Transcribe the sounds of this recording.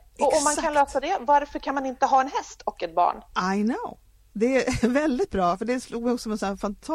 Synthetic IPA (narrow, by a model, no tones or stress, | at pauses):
ʔɔɔmːankʰanløːsad̪ɛvaɾfœɾkʰanmanɪnt̪əɦɑːɛnɦɛst̪ʰɔkːɛt̪̚bɑ̰ːɳʔaɪnoʊ | d̪ɛævɛld̪ɪt̪̚bɾɑːfœɖɛsluːɡmɛjɔksɔmɛnsɔæfant̪ʰa